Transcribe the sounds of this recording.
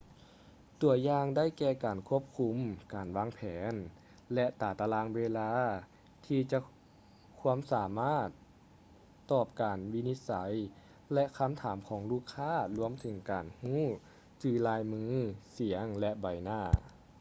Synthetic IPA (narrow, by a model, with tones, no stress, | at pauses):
t̪u˨˩əjaː˧ŋda˥˩jkɛː˧kaː˨˩nkʰu˧˥əp̚kʰu˧˥mkaː˨˩nwaː˧˥ŋpʰɛː˩˦n | lɛ˧˥ʔt̪aː˨˩t̪a˧laː˧˥ŋweː˧laː˧˥ | t̪ʰiː˧t͡ɕa˧ | kʰu˧˥əmsaː˩˦maː˥˩t̪ː | ɔː˧˩p̚kaː˨˩nwi˧ni˧˥t̪̚sa˩˦j | lɛ˧kʰa˧˥mt̪ʰaː˩˦mkʰɔː˩˦ŋluː˧˥˩kʰaː˥˩˨lu˧əmt̪ʰɯ˨˦ŋkaː˨˩nhuː˥˩ | t͡ɕɯː˧˩laː˧jmɯː˧˥si˩˦əŋlɛ˧ʔba˨˩jnaː˧˩